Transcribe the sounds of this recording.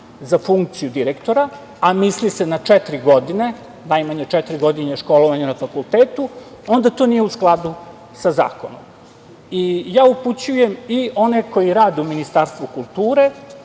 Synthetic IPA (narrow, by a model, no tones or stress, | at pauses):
zafuŋk̚t̪sijud̪iɾekt̪o̞ɾa | amislisenat͡ʃɛt̪ɾiɡo̞d̪ine̞ | najmaɲet͡ʃɛt̪ɾiɡo̞d̪ineʃko̞loʋaɲanafakulˠt̪eːt̪u | o̞nd̪at̪onijeusklˠad̪u | saza̰ːko̞̰no̰m | ijaːuput͡ɕuje̞miʔo̞neko̞jiɾaːd̪euminist̪aːɾst̪ʋukulˠt̪uːɾe̞